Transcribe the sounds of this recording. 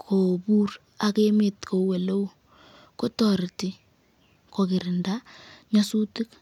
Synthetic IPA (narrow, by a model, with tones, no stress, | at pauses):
kʰo˨bu˦r | a˨ke˦me˨tko˨we˨lo˦w | ko˦tɔ˨ɾti˦ | kɔ˨ki˨ɾɪ˨nda˦ɲɔ˦su˦tɪ˦k